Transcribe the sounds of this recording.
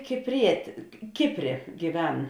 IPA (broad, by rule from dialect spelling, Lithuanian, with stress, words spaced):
kʲɪpʲˈrʲiɛtʲeː ˈkʲɪpʲˌrʲeː ɡʲiːˈʋʲɛn